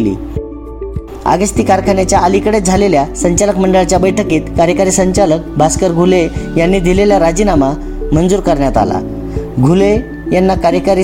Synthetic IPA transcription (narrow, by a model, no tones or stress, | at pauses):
lḭː | a̰ɡəst̪iːkaɾkʰanet͡ɕjaəlikəɽet̪̚d͡zʱaleljasəɲt͡ɕaləkməɳɖəɭt͡ɕjabəjʈʰəkiːt̪kaɾjəkaɾiːsəɲt͡ɕalək̚bʱaskəɾɡʱulejanːiːd̪ʱileljaɾad͡ʑinama | mənd͡zuːɾkəɾɳjat̪a̰la̰ | ɡʱule | janːakaɾjəkaɾi